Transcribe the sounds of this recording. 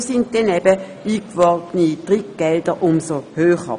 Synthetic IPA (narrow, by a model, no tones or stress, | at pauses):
sɪnt̚d̥ɛnɛb̥ə | iːkʋɔʁtnid̥ʁikɡ̥ɛld̥əʔʊmsohøːχə̰